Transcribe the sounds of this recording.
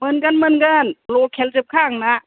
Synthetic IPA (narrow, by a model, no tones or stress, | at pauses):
mɤnkanmənkanloːkʰɛlt͡ɕɯp̚kʰaːŋnaʔ